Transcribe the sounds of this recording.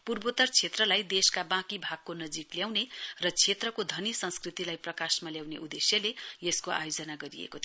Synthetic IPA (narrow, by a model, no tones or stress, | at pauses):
purbot̪ʌrt͡sʰet̪rʌlajd̪eskabãkibʱaɡ̚konʌd͡zikljawnerʌt͡sʰet̪rʌkod̪ʱʌnisʌ̃nskrit̪ilajprʌkasmaljawnḛʔud̪esjʌlejeskoʔa̰jod͡zʌnaɡʌɾiḛkot̪ʰ